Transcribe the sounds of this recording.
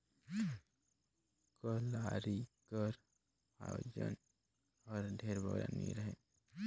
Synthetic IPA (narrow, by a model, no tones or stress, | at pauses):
kəlaːɾikəɾ | a̰jo̰ːd͡ʒə̰n | ɔːɾd̪ʱeːɾbʱəɡɾa̰ːnḭɾəɦe